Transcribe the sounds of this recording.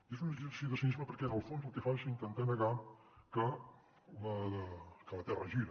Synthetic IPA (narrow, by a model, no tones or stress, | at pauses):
iezunəisioðəsinizməpəɾkɛzəlˠfonzəlˠkɛfaʃint̪ənt̪ɛnəɣa | kə | ləðəkələt̪ɛrəʒiɾə